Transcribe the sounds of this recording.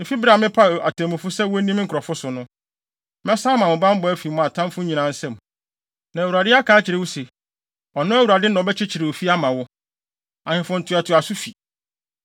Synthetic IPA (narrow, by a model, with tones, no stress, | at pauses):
m̩˨fi˦bɾa˨mɪ̃˦pʰa˦˨a̰˨tʰɛ̃˨mʊ̃˨fʊ˦sɛ˦wʊ˦nĩ˦m˦ŋ̩˨kʰɾɔ˨fʊ˦sʊ˨nʊ̃˦ | mɛ̃˦sa˦mã˨mʊ̃˨bã˦m˦bɔ˦æ˦fi˨mʊ̃˨a˨tʰã˦m˦fʊ˦ɲĩ˨nã˨n̩˦sɛ̃˦˨m˨ | nã˨æ˨wu˨ɾa˨dɪ˦a˦kʰaː˨˦t͡ɕʰɪ˨ɾɪ˨wʊ˦se˨ | ɔ˨nʊ̃˦æ˦wu˨ɾa˨dɪ˦nã˨ɔ˨bɛ˦t͡ɕʰɪ˦t͡ɕʰɪ˨ɾɪ˨wo˨fi˦a˦mã˨wʊ˦ | ã˨hɪ̃˨fʊ̃˨n̩˨tʰʊ˨a˨tʰʊ˨a˨sʊ˦fi˨